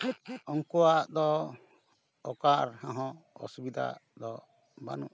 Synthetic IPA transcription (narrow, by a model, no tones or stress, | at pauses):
ɔŋkɔwaʔd̪ɔ | ɔkaɾhɔ̃ɦɔ̃ɔ̰subid̪ʱa̰d̪ɔ | ba̰nṵʔ